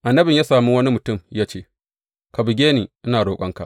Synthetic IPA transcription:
ʔa˨nːɐ˦bɪ˨jaː˦saː˨mu˦wɐ˦ni˦mʊ˨tʊ˦˨mjaː˦t͡ʃeː˦˨ | ka˨bɪ˨ɡʲeː˦niː˨ʔɪ˦naː˨ɽoː˨kʷʼɐ̰˦ŋka̰˨ʔ

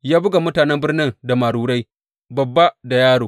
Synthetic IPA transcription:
jaː˦bʊ˦ɡa˨mʊ˦taː˨nɛ˦mbɪ˦rnɪ˦ŋda˨maː˨ɽuː˦ɽa˦j | bɐ˨bːa˦da˨jaː˦ɽoː˨

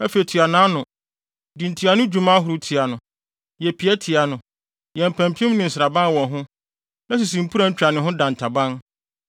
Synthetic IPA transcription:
ɛ˦fe˨i˨tʰi˨a˨nãː˦nʊ̃˨ | dĩ˨n̩˨tʰi˨a˨nʊ̃˦d͡ʑu˨mã˦ɦʊ˨ɾʊ˨˦tʰi˨a˨nʊ̃˨ | jɛ˨pʰi˨˦ɛ˦tʰɪ˨a˨nʊ̃˨ | jɛ̃˨m˨pʰæ̃˨m˨pʰi˦ɪ̃˦mnɪ̃˨n̩˨sɪɾa˨bã˦n˦wɔ̃˨ɦʊ̃˦ | nã˦s̬i˨s̬ĩ˨m̩˨pʰu˦ɾã˦ɲ̩˦t͡ɕᶣɾa˨nɪ̃˨ɦʊ̃˦dã˨n̩˨tʰa˨bã˦n

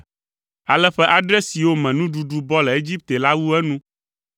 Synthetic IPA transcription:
a˨lɛ˦ɸɛ˦ʔa˨ɖɛ˦si˨wo˦mɛ̃˨nũ˦ɖu˨ɖu˦bɔ˦lɛ˨e˦d͡ʑi˦p̚t̪e˨la˦wu˦ɛ˦nũ˦

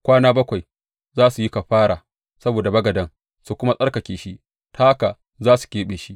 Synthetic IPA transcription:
kʷaː˦naː˦bɐ˦kʷa˨j | zaː˦su˨ji˦ka˨ɸaː˦ɽaː˨ | sɐ˦boː˨da˨bɐ˦ɡɐ˨dɐ˦ŋ | su˨kʷʊ˦ma˦sʼɐ˦ɽkɐ˨kʲeː˨ʃi˦ʔ | tʰaː˦ka˨ | zaː˦su̥˨kʲeː˦ɓeː˨ʃi˦

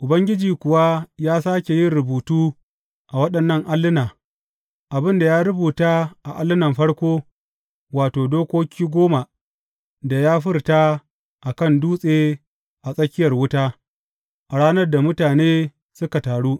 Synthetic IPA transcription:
ʔʊ˨bɐ˦ŋɡʲɪ˦d͡ʒiː˨kʷʊ˨wa˦jaː˦saː˦kʲe˨jɪ˦nɾʊ˨buː˨tuː˦ | ʔa˨wɐ˦ɗɐ˨nːɐ˦ŋʔa˦lːɪ˦naː˨ | ʔa˨bɪ˦nda˨jaː˦ɾʊ˦buː˨taː˦ʔa˨ʔa˦lːɪ˦nɐ˨mɸɐ˦ɽkʷoː˦ | waː˨toː˨doː˦kʷoː˦kʲiː˦ɡʷoː˦ma˨ | da˨jaː˦ɸɪ˦rtaː˦ | ʔa˨kɐ˦˨nduː˦sʼeː˦ | ʔa˨sʼɐ˦kʲɪ˦jɐ˨rwʊ˦taː˦ | ʔa˨ɽaː˦nɐ˦rda˨mʊ˦taː˨neː˦ | sʊ˦ka˨taː˨ɽuː˦

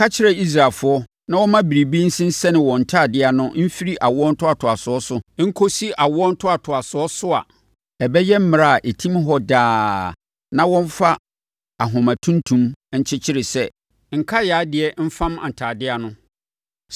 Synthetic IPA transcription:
a˦t͡ɕʰɪ˦ɛ˨i˦s̬ɾa˨fʊ˦ɔ˦ | nã˦wɔ˦mã˦bi˨ɾi˨bĩ˦n̩˦sĩ˦n̩˦sɛ˦nɪ̃˨wɔ̃˨n̩˨tʰaː˦˨dɪ˦a˨nʊ̃˦m̩˦fi˦ɾi˦ʔa˨wʊ˦ɔ˦n̩˦tʰʊ˦a˨tʰʊ˨a˨sʊ˨ɔ˦sʊ˦ŋ̩˦kʰo˦si˦ʔa˨wʊ˦ɔ˦n̩˦tʰʊ˦a˨tʰʊ˨a˨sʊ˨ɔ˦sʊ˦a̰˨ | ɛ˨bɛ˦jɛ˦m̩˦mɪ̃˨ɾa˦˨ʔe˨tʰĩ˦m˦ɦɔ˦daː˦ | nã˦wɔ̃˦ɱ˦fa˦ | a˨ɦʊ̃˨mã˨tʰũ˦ntʰũ˦mɲ̩˦t͡ɕʰɪ˦t͡ɕʰɪ˦ɾɪ˨sɛ˦ | ŋ̩˨kʰa˦jaː˨˦dɪ˨ɛ˨˦m̩˦fã˦mã̰˨n̩˨tʰaː˨dɪ˦a˨nʊ̃˦

